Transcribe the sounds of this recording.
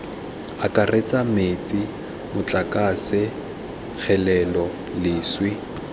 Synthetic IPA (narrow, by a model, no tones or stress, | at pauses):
akʼaret͡sʼamet͡sʼi | mʊt͡ɬʼakʼasɪ | k͡xʰɛlɛlɔ | lɪːswɪ